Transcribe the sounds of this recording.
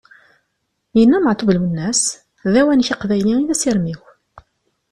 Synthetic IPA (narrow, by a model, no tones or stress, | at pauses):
jənːæməʕt̪ˤuvəlwənːæs | ðæwænçiqvæjliiðæsiɾmiw